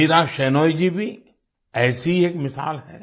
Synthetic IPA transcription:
iːɾaʃɛːnɔːjd͡ʒibʱi | ɛːsiieːkmɪsa̰ːlɦɛː

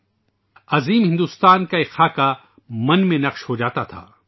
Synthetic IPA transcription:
ɐziːmɦɪ̃nd̪uːst̪aːnkaɪxaːka | mɐ̃nmẽnɐqʃhod͡ʒaːt̪at̪ʰa̰ː

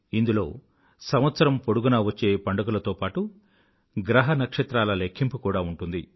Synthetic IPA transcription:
ind̪ulo̞ː | sɐmʋɐt̪sɐɾɐmpoɽuɡunɐːʋɐt͡ʃːe̞ːpɐɳɖɐkulɐt̪o̞ːpaːʈu | ɡɾɐɦɐnɐkʂɐt̪ɾaːlɐlekʰːimpukuːɽaːuɳʈund̪i

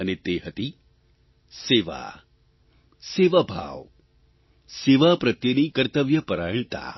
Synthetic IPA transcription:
ənet̪eɦət̪i | seʋa̰ | seʋabʱa̰ʋ | seʋapɾɐt̪jənikəɾt̪əʋjəpəɾajɳt̪a̰

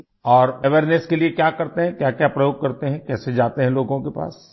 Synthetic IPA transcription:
ɔːɾeʋeɾneskeliekjaːkɐɾt̪eɦɛ̃kjaːkjaːpɾɐjoːɡkɐɾt̪eɦɛ̃kɛːsed͡ʒaːt̪eɦɛ̃loːɡõkepa̰ːs

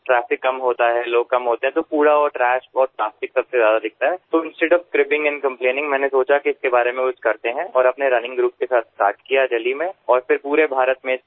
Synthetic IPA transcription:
ʈɾɛːfɪkːɐmɦoːt̪aɦɛloːɡ̚kɐmɦoːt̪ẽɦɛ̃t̪opuːɽaɔːɾʈɾɛːʃɔːɾplaːfɪksɐbsezjaːd̪ad̪ɪk̚ʰt̪aɦɛːt̪oɪ̃nsʈeːɖɔːʋskɾɪpɪ̃ŋɡɛ̃nkɐ̃mpleːnɪ̃ŋɡmɛ̃ːnesoːt͡ʃakiɪskebaːɾemẽkʊt͡ʃʰkɐɾt̪eɦɛ̃ɔːɾɐpneɾɐnɪ̃ŋɡɾuːp̚kesaːt̪̚ʰsʈa̰ːɾʈkijad͡ʒɐlimẽɔːɾfɪɾpuːɾebʱaːɾət̪mẽ

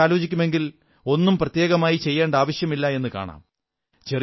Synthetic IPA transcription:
aːlo̞ːt͡ɕikʲːume̞ŋɡil | o̞nːumprɐt̪je̞ːɣɐmaːjit͡ɕe̞jːeːɳɖaːʋɐɕjɐmilːɐe̞nːɨka̰ːɳa̰ːm | t͡ɕer

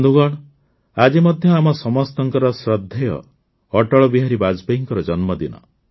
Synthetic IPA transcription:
d̪uɡɔɽ̃ | ad͡ʒimɔd̪ʱjɔamɔsɔmɔst̪ɔŋkɔɾɔsɾɔd̪ʱːejɔ̰ː | ʈɔɭɔbiɦaɾibad͡ʒbeɦiŋkɔɾɔd͡ʒɔnmɔd̪inɔ̰

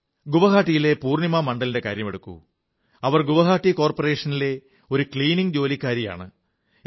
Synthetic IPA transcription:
ɡuʋɐɡaːʈːijile̞puːrnjimamɐɳɖɐlinde̞kaːɾjɐmeɽukːṵ | ɐʋɐrɡuʋɐɣaːʈːiko̞ːrpɐre̞ːʂɐnile̞ | o̞ɾukɭiːniŋd͡ʑo̞ːlikʲːaːɾija̰ːɳɨ

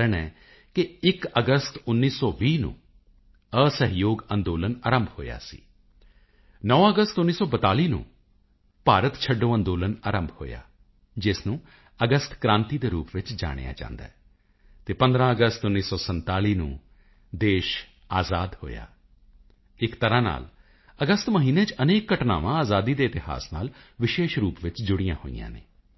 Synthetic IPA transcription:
ɾəɳɛː | kɪɪkəɡəst̪ʊnːiːsɔːʋiːnṵ̃ː | əsəɦɪjoːɡənd̪oːlənaːɾəmbʱho̰ːja̰ːsḭː | nɔːʋãːəɡəst̪ʊnːiːsɔːbət̪aːliːnṵ̃ː | paːɾət̪t͡ʃʰəɖõːə̃nd̪oːlənaːɾəmbʱho̰ːja̰ː | d͡ʒɪsnũː | əɡəst̪kɾãːnt̪iːd̪eːɾuːpʋɪt͡ʃd͡ʒa̰ːɽ̃ḛjã̰ːt͡ʃã̰ːnd̪a̰ːɛː | t̪eːpə̃nd̪ɾãːəɡəst̪ʊnːiːsɔːsənt̪aːliːnṵ̃ː | d̪eːʃ | aːzaːd̪ho̰ːja̰ː | ɪkt̪əɾãːna̰ːl | əɡəst̪məɦiːneːt͡ʃəneːkːəʈna̰ːʋãːaːzaːd̪iːd̪eːɪt̪ɪɦa̰ːsna̰ːlʋɪʃeːʃɾuːpʋɪt͡ʃd͡ʒʊɽɪjã̰ːho̰ḭjã̰ːnḛː

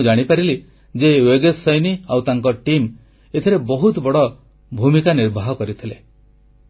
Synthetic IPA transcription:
d͡ʒaɽ̃ipaɾili | d͡ʒeweɡesɔjniawt̪aŋkɔʈim | et̪ʰiɾebɔɦut̪bɔɽɔ | bʱumikaniɾbʱaɦɔkɔɾit̪ʰile

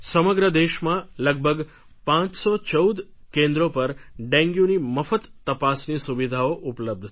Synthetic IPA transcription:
səməɡɾəd̪eʃmãləɡ̚bʱəɡ | pãt͡ʃsot͡ʃəwd̪ | kẽnd̪ɾopəɾɖɛ̃ŋɡjũniməfət̪ːəpasnisuʋid̪ʱaoʔupləb̚d̪ʱ

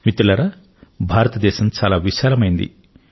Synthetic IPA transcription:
mit̪ːulɐɾɐ | bʱaːɾɐt̪ɐd̪ɛːʃɐmt͡ʃaːlaːʋiʃaːlɐmɐjind̪ḭ

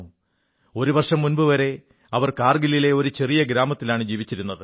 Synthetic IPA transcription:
u | o̞ɾuʋɐrʂɐmːunbɨʋɐɾe̞ | ɐʋɐrkaːrɡilile̞o̞ɾut͡ɕe̞rijɐɡɾaːmɐt̪ːilaːɳɨd͡ʑiːʋit͡ɕːiɾun̪ːɐðɨ

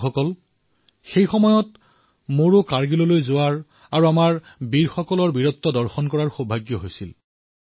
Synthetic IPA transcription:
ɔkɔl | xejxɔmɔjɔt | moɹokaɹɡilɔlojzoaɹ | aɹuamaɹ | biɹxɔkɔlɔɹbiɹɔtːɔdɔɹxɔnkɔɹaɹxobʱaɡjɔɦojsil

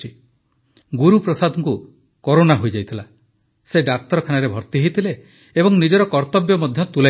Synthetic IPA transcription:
i | ɡuɾupɾɔsad̪ʱɔŋku | kɔɾonaɦojd͡ʒajt̪ʰila | seɖakt̪ɔɾɔkʰanaɾebʱɔɾt̪iɦejt̪ʰileː | bɔŋnid͡ʒɔɾɔkɔɾt̪ɔbjɔmɔd̪ʱjɔt̪ula

